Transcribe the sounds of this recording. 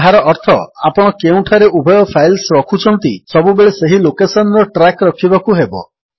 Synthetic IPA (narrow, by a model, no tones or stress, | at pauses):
ɦaɾɔʔɔɾt̪ʰɔapɔɽ̃ɔkeũʈʰaɾeʔubʱɔjɔpʰajlsɾɔkʰut͡ʃʰɔnt̪isɔbubeɭeseɦilokesɔnɾɔʈɾakɾɔkʰibakuɦebɔ̰